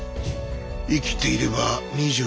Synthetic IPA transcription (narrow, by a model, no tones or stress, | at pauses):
ikʲi̥t̪e̞iɾe̞baɲʲiʑɨ